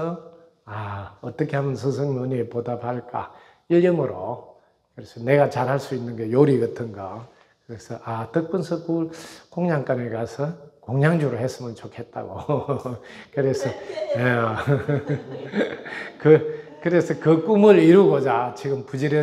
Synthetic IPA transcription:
ʌ | aʌt͈ʌkʰe̞hamʌnsʰɯs̬ʰɯŋmoɲipodapaɭk͈a̰ | iʎːɯmɯɾo | kɯɾesʰʌne̞ɣat͡ɕaɾɦaɭs͈uinːɯnɡejoɾiɡʌtʰɯnɡa | kɯɾe̞sʰʌʔatɯk̚p͈ɯnsʰʌkukoŋɲaŋk͈anekasʰʌkoŋɲaŋd͡ʑuɾohes͈ɯmjʌnt͡ɕokʰe̞t̚t͈a̰ɡo | kɯɾe̞sʰʌe | kɯkɯɾe̞sʰʌkɯk͈umɯɾiɾuɡod͡ʑat͡ɕiɡɯmpud͡ʑiɾjʌ

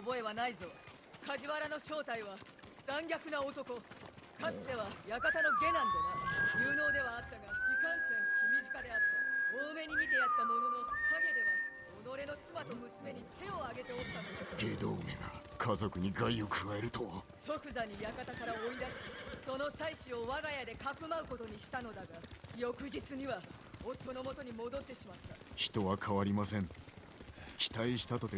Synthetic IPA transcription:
obo̞e̞βanaizo̞ | kaʑiβaɾano̞ɕo̞ːt̪aiβa | d͡zãŋɡʲakɯ̟naot̪o̞ko̞kat͡sɨ̥d̪e̞βajakat̪ano̞ɡe̞nãnd̪ejɨːno̞ːd̪e̞βaːt̪ːaɡaɸɯ̟kãɰ̃sẽkimʲizɨkad̪e̞at̪ːeoːme̞ɲ̟imʲit̪̬e̞jat̪ːamo̞no̞nokʰaɡe̞d̪eɡa | ono̞ɾe̞no̞t͡sɨmat̪o̞mɯ̟sɨme̞ɲ̟it̪ʰe̞o̞aɡe̞t̪eo̞t̪ːanoɡe̞ːd̪oːmḛɡa̰ | kʰazo̞kɯ̟ɲ̟iɡaiokʰɯɡaeɾɯ̟t̪o | so̞kɯ̟zaɲ̟ijakat̪akaɾaoid̪aɕiso̞no̞saiɕio̞βaɡajad̪e̞kakɯ̟maɯ̟ko̞t̪o̞ɲ̟iɕi̥t̪ano̞d̪aɡajo̞kɯ̟d͡ʑit͡sɨɲ̟iβa | ot̪ːo̞no̞mo̞t̪o̞ɲ̟imo̞d̪o̞t̪ːe̞ɕimat̪ːaçi̥t̪o̞βakʰaβaɾʲimasẽ̞ŋ | kʲi̥t̪aiɕi̥t̪at̪o̞t̪e

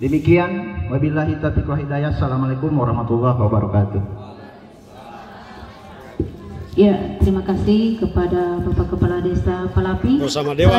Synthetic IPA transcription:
dəmikianwabilaɦit̪at̪ikwaɦidajasalamalekʊmwaɾɔhmat̪ulːɔhwabaɾɔkat̪u | jat̪əɾimakasihkəpadabapakəpaladesapalapisamadea

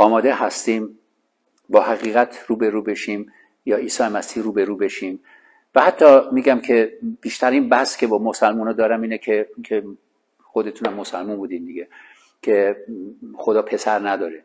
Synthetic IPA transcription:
ɒːmɒːd̪ehæst̪iːm | bɒːhæɣiːɣæt̪ʰɾuːbeɾuːbe̞ʃiːm | jɒːiːsɒːjemæsiːhɾuːbeɾuːbe̞ʃiːm | væhæt̪ʰːɒːmiːɟæmkʰe̞b̥iːʃt̪ʰæɾiːnbæhscʰe̞bɒːmosælmuːnɑːd̪ɒːɾæmiːnekʰekʰe | xod̪e̞t̪ʰunæmːosælmunbuːd̪ind̪iɡe̞ | kʰe̞ | xo̞d̪ɒːpʰe̞sæɾnæd̪ɒːɾe

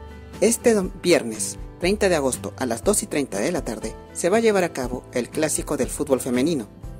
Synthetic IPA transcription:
e̞st̪ebje̞ɾne̞st̪ɾe̞jnt̪aðe̞aɣ̞o̞st̪o̞̰ʔalazd̪o̞sit̪ɾejnt̪aðe̞lat̪aɾðe | se̞βaʝe̞βaɾakaβo̞e̞lklasiko̞ðe̞lfut̪̚βo̞lfe̞me̞nino̞

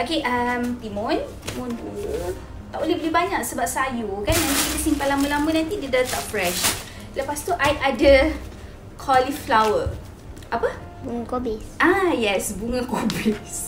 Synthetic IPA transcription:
okeʔəmt̪imɔ̃n | munu | t̪aʔbolehbolehbaɲak̚səbap̚sajukanãnikit̪əsimpalaməlamənãnt̪idədat̪aʔfɾɛʃ | ləpast̪uʔajadə | kʰɔliflawə | ʔapə | buŋəkobeʔajɛsbuŋəkobes

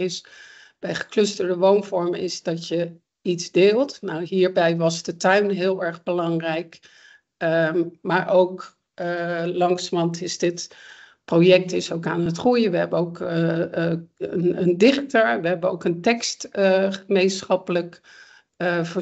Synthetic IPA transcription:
ɪs | b̥ɛjχə̥klɵstəɹdəʋownvɔɹmɪsdɑtjə | itzdɪːlˠtnawɦiːɹbɛjʋɑzdətœɥnɦɪːlˠɛɹχbəlɑŋrɛjk | maːɹʔowk | lɑŋsmɑntɪzdɪt | projɛk̚tɪsowkaːnətχrujəʋəɦɛbənoʊk | ənəndɪχtəɹʋəɦɛbəowkəntɛkstχəmejnsχɑpələk | fə

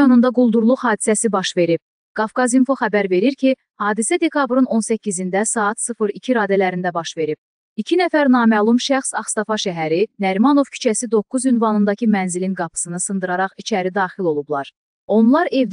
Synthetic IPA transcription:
onund̪ɑɡulˠd̪uɾlˠuχhɑːd̪isæsibɑʃve̞ɾib̥̚ | ɡ̥ɑfkɑzinfo̞xæbæɾve̞ɾiɾcʰi | hɑːd̪isæd̪e̞kʰɑbɾɯno̞nsæcʰːizind̪æsɑːt̪sɯfɯɾicʰiɾɑːd̪ælæɾind̪æbɑʃve̞ɾib̥̚ | icʰinæfæɾnɑːmælˠumʃæxsɑχst̪ɑfɑʃæɦæɾinæɾmɑno̞vcʰy̥t͡ʃʰæsid̪o̞kːuzynvɑnɯnd̪ɑcʰimænzilinɡɑpʰɯ̥sɯnɯsɯnd̪ɯɾɑɾɑχit͡ʃʰæɾid̪ɑːχilo̞lˠublˠɑɾ | o̞nlˠɑɾe̞vd̪

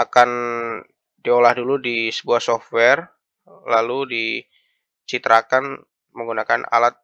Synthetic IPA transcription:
akan | diolahduludisəbuahsɔft̪̚wɛr | laludi | t͡ʃit̪ɾʔakan | məŋɡunakana̰lat̪̚

